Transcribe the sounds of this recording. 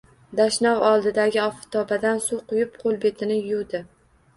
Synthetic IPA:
d̪aʃnɒʁɒlˠd̪ɪd̪aɡʲɪɒfɪ̥t̪ʰɒbad̪ansuqʰʊjɪp̚qʰolˠbe̞t̪ʰɪnɪjuwd̪ɪ

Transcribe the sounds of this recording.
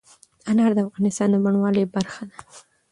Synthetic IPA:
anɑɾd̪əafɣɑnɪst̪ɑnd̪əmaɳwɑləbaɾxad̪a

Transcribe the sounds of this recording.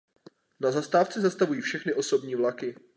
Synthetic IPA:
nazast̪aːft͡sɛzast̪avujiːfʃɛxnɪʔo̞so̞bɲiːvlakɪ

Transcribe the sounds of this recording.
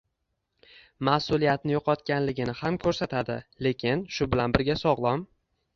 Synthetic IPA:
masʊlijat̪̚nɪjoqɒt̪kʲanlɪɡʲɪnɪhamkʰɵɾsat̪ʰad̪ɪle̞kʲʰɪnʃʊbɪlanbɪɾɡʲasɒʁlˠɒm

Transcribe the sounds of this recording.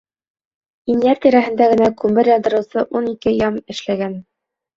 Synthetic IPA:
injæɾt̪iɾæɦɘ̆nd̪æɡɘ̆nækʉmbɘɾjɒnd̪ɤ̆ɾɤ̆wsɤʔunikɘjɑmɘ̆ʃlæɡæn

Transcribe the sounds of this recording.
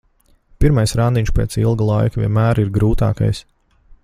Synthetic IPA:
piɾmajsɾand̪iɲʲʃpʲeːt̪silˠɡulˠajkvʲiɛnmæːɾiɾɡɾuːt̪a̰ːka̰js

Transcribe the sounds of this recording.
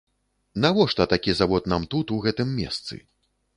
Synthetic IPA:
navɔʂt̪ɐt̪akʲizavɔt̪̚namt̪ut̪uɣɛt̪ɨmːʲɛ̰st̪sɨ̰

